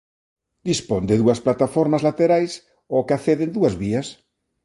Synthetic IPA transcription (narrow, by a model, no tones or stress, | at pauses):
d̪ispond̪ɪðuɐsplat̪afoɾmazlat̪eɾajs | okaθeðend̪uɐzβiɐs